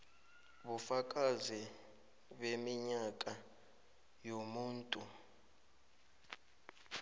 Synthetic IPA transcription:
ɓufak̬ʼazi | ɓemiɲakʼa | jomuːntʼu

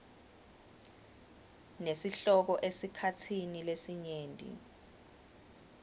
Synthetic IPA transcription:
nesiɬɔk̬ɔʔesikʰatʰinilesiɲeːntʼḭ

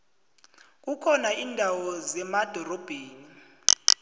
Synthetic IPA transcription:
k̬ʼukʰɔnaiːndʱawɔzɛmad̥ʱɔrɔb̥ʱeːni

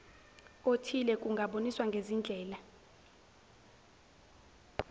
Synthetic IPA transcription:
otʰilɛkʼuŋɡʱaɓoniswaŋɡʱezind͡ɮʱɛːla

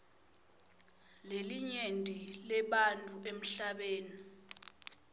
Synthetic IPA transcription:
leliɲendʼʱilɛɓantʼuem̩ɬaɓeːni

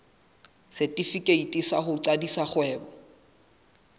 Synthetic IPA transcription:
sɪtʼifikʼeitʼisaχʊǀadisaχwɛːbɔ

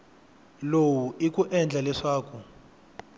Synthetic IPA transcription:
lowuʔik̬ʼuʔɛnd͡ɮʱalɛʂaːkʰu

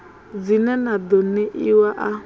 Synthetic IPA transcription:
d͡zinɛnad̪ɔnɪʔiwaʔa

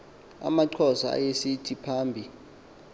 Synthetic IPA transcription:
a̰maǃʰɔsaa̰jesitʰipʰaːmbʱi

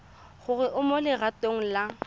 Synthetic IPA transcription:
χʊrɪʔʊmolɪɣatʼoŋ̩la

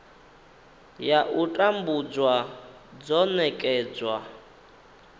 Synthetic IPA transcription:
jaʔutʼambud͡zwa | d͡zɔnɛkʼɛːd͡zwa

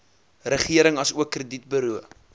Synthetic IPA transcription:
rəχiəɾəŋɐsuəkːrədit̚bəɾuə

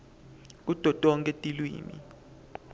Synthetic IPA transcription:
k̬ud̥ʱɔtʼɔŋkʼetʼilwḭːmḭ

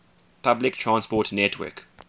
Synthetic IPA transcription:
pʰablɪktʰɹãnspɔtnɛtʰwɛ̰k

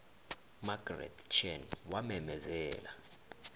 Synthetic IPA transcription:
maɡ̥rɛ̰tt͡ʃʰɛnwamɛmɛzɛːla

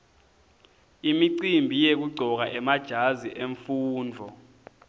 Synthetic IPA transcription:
imiǀimbʱijek̬uɡ͡ǀʱɔk̬aʔɛmad̥ʒ̥ʱaziʔeɱfuːnd͡ɮʱɔ

